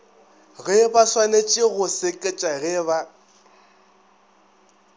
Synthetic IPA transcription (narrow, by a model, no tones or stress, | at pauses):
ɣɛbaswanet͡ʃʼɪɣʊsɪkʼɪt͡ʃʼaɣɛβa